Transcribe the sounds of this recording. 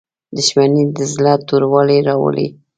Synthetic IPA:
d̪ʊʃmanid̪əzlɑt̪uɾwɑleɾɑwə̰lḛ

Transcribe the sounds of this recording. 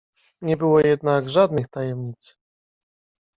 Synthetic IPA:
ɲɛbɘwɔjɛd̪naɡʐad̪nɘxt̪ajɛmɲit̪s

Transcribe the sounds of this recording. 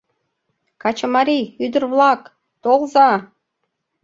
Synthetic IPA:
kɑt͡ɕɤ̆mɑɾijyd̪ə̆rβlˠɑk | t̪olˠzɑ

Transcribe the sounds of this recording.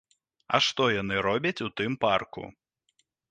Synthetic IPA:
ɐ̰ʂt̪ɔjan̪ɨɾɔbʲɐt͡sʲut̪ɨmparkṵ

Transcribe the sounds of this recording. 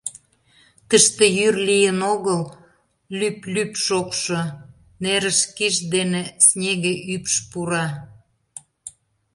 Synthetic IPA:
t̪əʃt̪ĕjyrlijənoɣəl | lyplypʃokʃo | neɾəʃkiʃd̪enesnʲeɣeʔypʃpuɾɑ

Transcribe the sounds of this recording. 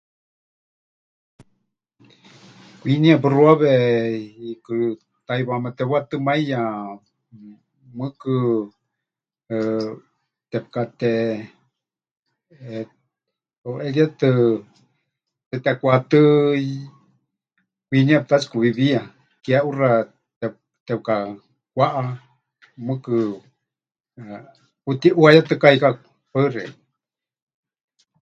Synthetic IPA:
kʷiniap̬ɨruaβe | ikɨ | t̪ajβamat̪ɛβwat̪ɨmaijã | mɨkɨ | t̪ep̚kat̪e | oʔeljat̪ɨ | t̪et̪ekʷat̪ɨ | winĩap̚t̪at͡ʃkuβiβia | kjaʔura | e | t̪ep̚ka | kʷaʔa | mɨ̃kɨ | kut̪iʔuajat̪ɨkaika | pəre

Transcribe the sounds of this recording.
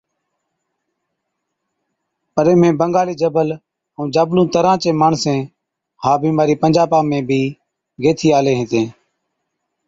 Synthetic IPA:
pəɾẽːmẽːbəŋɡaːliːd͡ʒəbəl | ũːd͡ʒaːblũːt̪əɾãːt͡ʃẽːmaːɳsẽː | ɦaːbiːmaːɾiːpənd͡ʒaːpãːmẽːbʱiː | ɡeːt̪ʰiːaːleːɦet̪ẽː

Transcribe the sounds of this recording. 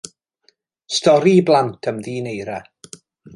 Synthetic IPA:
stɔɾiblˠantʰəmðiːnejɾa

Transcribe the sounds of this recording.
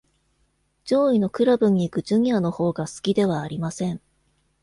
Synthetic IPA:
d͡ʑo̞ːino̞kɯ̟ɾabɯ̟ɲ̟iːkɯ̟d͡ʑɨɲjano̞ho̞ːɡasɨ̥kʲid̪e̞β̞aːɾʲimasẽ̞ɴ

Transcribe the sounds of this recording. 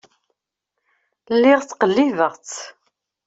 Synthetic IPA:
lːɪʁt͡sːqəlːivəʁt͡s

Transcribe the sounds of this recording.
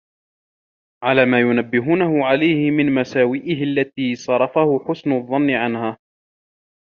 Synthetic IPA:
ʕalaːmaːjʊnabːɪɦuːnaɦʊʕalajhɪmɪnmasaːwiːʔɪhɪalːat̪iːsˤɑɾˤɑfahʊħʊsnʊðˤːɑnːɪʕanhaː

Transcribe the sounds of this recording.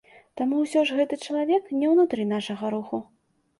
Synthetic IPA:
t̪amuwsʲɔʐɣɛt̪ɨt͡ʂɐlˠavʲɛknʲɛwnut̪ɾɨnaʂɐɣɐɾuxu

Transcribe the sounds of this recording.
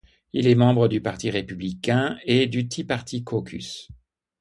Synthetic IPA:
ilɛmɑ̃bʁəd̪ypaʁt̪iʁepyblikʲɛ̃ed̪yt̪ʰipaʁt̪ikʰokʰʲy̰s

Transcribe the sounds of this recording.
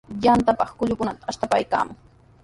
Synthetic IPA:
jant̪apɑχkʊʎʊkʊnat̪aːʃt̪apajka̰ːmʊŋ

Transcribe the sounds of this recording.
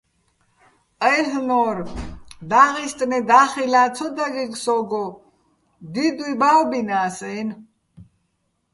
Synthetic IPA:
əjɦnɔɾd̪aːʁist̪ʼnɛd̪aːχilaːt͡sʰɔd̪aɡiksɔɡɔ | d̪id̪uibawbinaːsɛjn

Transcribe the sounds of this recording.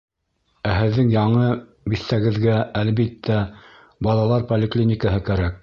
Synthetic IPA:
æɦɘ̆ðːɘŋjɑɴɤ | biθːæɡɘ̆ðɡæælbit̪ʰːæ | bɑlˠɑlˠɑɾpolʲɪklʲinʲɪkəɦɤkæɾæk̚

